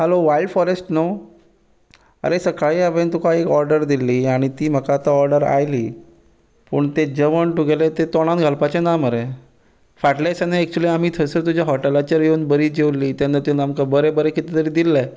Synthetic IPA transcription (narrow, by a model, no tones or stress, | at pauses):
ɦɛloʋailɖfɔɾesʈnəw | ə̰ɾesəkaɭiaʋent̪ukaekɔɾɖəɾd̪ilːiːaɽ̃it̪iːm̤əkat̪aɔɾɖəɾa̰jliː | pə̰ːɳt̪ed͡ʑəʋəɳʈuɡelet̪et̪ɔɽ̃ãnɡʱəlpat͡ɕanaməɾe | faʈlasanaɛk̚t͡ɕuliam̤iːt̪ʰəsəɾt̪ud͡ʑjaɦɔʈelat͡ɕəɾjuːnbəɾiːd͡ʑewlːiːt̪janːat̪enamkəbəɾebəɾekit̪it̪əɾiːd̪ilːe